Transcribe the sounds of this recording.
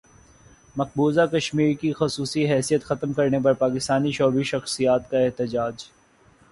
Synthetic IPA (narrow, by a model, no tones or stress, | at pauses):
mɐq̚buːzakɐʃmiːɾkixʊsuːsiɦɛːsijət̪xɐt̪mkɐɾnep̬ɐɾpaːkɪst̪aːniʃɔːbiʃɐxsijaːt̪kaɪɦt̪ɪd͡ʒaːd͡ʒ